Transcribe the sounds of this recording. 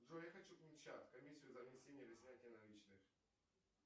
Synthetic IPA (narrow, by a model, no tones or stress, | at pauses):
d̪ojaxɐt͡ɕup̪ʲɪt͡ɕat̪ʲkɐmʲisʲːɪjʊzɐvnʲɪsʲenʲɪjəpʲɪsʲnʲatʲɪjənɐlʲit͡ɕnɨx